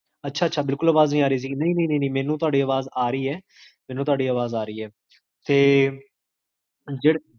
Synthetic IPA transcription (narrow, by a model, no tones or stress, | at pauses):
ətːʃʰaːətːʃʰaːbɪlkʊləːʋaːznĩːaːɾəiːs̬iːnəĩːnə̃ĩːnə̃iːnə̃ːmɛːnũːt̪ʊaːɖiːəʋaːzaːɾəiːɛː | mɛːnũːt̪ʊaːɖiːəːʋaːzaːɾəiːɛː | t̪eː | d͡ʒeːɽ